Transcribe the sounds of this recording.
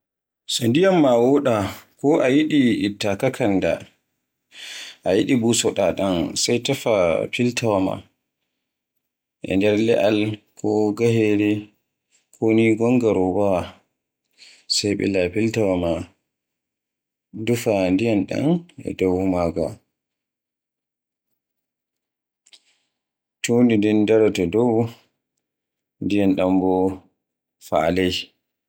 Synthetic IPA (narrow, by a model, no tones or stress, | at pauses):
sɔndijamːawɔɗakɔʔajiɗiːtːakakʰanda̰ | ʔajiɗibusɔɗaɗansajtafapiltʰawama̰ | ʔɛ̰ndɛɾlɛʔalkʰɔɡaɦɛɾɛ | kʰoniɡɔŋɡaɾɔbawa | sajɓɛ̰lapiltawama | dufandijanɗa̰nɛ̰dɔwmaɡa̰ | tondidindaɾatɔdɔw | ndijanɗambɔ | falaj